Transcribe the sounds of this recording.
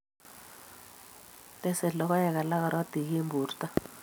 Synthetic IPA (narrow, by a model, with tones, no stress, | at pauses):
tɛ˦˨sɛ˨lɔ˦ka˦jɛ˨ka˨la˦ka˨ɾwa˦ti˨ke˦mbuː˨rta˦